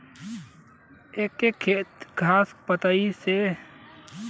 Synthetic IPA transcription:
eːkːekʰeːt̪ɡʱaːspət̪aise

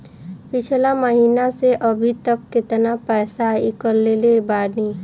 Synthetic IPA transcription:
pɪt͡ʃʰlaməɦiːnaseʔəbʱit̪əkːɪt̪napɛːsaɪkəɾːelebaːni

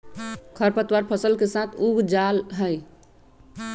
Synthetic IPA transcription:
kʰəɾpət̪waɾpʰəsəlkesat̪ʰuɡd͡ʒalɦəj

